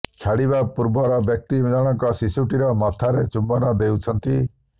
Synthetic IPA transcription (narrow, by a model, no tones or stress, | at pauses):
t͡ʃʰaɽiβapuɾbɔɾɔbjɔk̚t̪id͡ʒɔɽ̃ɔŋkɔsisuʈiɾɔmɔt̪ʰaɾet͡ʃumbɔnɔd̪ewt͡ʃʰɔnt̪i